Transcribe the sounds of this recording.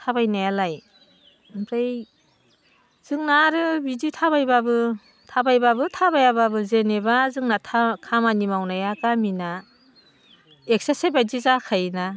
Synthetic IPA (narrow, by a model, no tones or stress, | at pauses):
tʰabajnajalaj | pɾej | z̥ɯŋnaɾɯbiditʰaβajbabɯ | tʰabajbabɯtʰabajababɯzenebazɯŋnatʰakʰamanimawnajakamina | ek̚sasebajdizakʰajna